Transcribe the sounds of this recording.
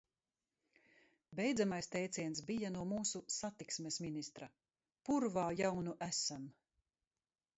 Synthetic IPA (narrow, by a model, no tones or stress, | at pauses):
bɛjd̪zamajst̪ɛjt̪siɛnsbijanuɔmuːsusat̪iksmesminist̪ɾa | puɾvaːjawnuʔæsam